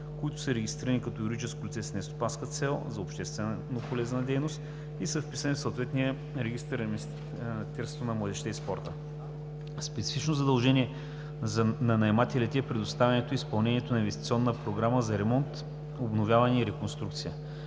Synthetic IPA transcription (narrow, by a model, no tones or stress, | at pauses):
koit̪ʊ̥sɐɾɛɡʲist̪ɾiɾənikɐt̪ɔiɾod̪it͡ʃɛsk̚pɾot̪sɛsnɛst̪o̥panskət̪sɛlˠzɐopʃt̪ɛst̪vɛnnːopolɛznəd̪ɛjnost̪ | isəfpi̥sənifsəot̪vɛt̪nijə | ɾɛɡ̟ist̪əɾm | t̪ɛɾst̪vonɐmlˠɐd̪ɛʃt̪ɛispɔɾt̪ə | spɛt̪sifit͡ʃnozɐd̪ɐlˠʒɛniɛ | znɐnɐɛmat̪ʲɛlɛt̪ɛɛpɾɛd̪ost̪avʲɐnɛt̪oispɐlˠnɛniɛt̪onɐinvɛst̪it̪siɔnːəpɾoɡɾaməzɐɾɛmɔnt̪ | obnovʲjavɐnʲɛiɾɛkonst̪ɾukt̪sijə